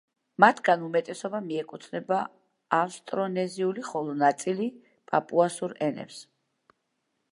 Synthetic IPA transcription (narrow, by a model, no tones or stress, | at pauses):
mat̪ʰɡanumɛt̪ʼɛsɔbamiɛkʼut̪ʰnɛba | afst̪ʼɾɔnɛziuliχɔlˠɔnat̪sʼili | pʼapʼuasuɾɛnɛ̰ps